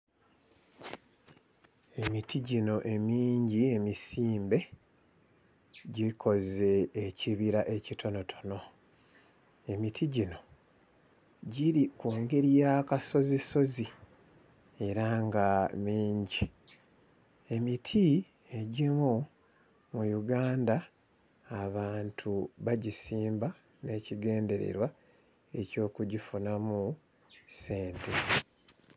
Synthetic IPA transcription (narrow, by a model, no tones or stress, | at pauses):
e̞mitʰiɟino̞ʔe̞miːɲɟie̞misiːmbe̞ | ɟikʰo̞ze̞ːciβiɾaʔe̞citʰo̞no̞tʰono̞ | e̞mitʰiɟino̞ | ɟiɾikuːŋɡe̞ɾjakaso̞ziso̞zi | e̞ɾaŋɡamiːɲɟi | e̞mitʰi | e̞ɟimu | mujuɡaːndaː | βaːntʰuβaɟisiːmba | ne̞ːciɡe̞ːnde̞ɾe̞̰ɾwa | e̞co̞ːkuɟifunamu | se̞ːntʰe̞